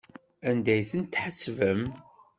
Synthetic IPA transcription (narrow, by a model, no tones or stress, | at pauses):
ænd̪æjθənt̪ːħəsːvəm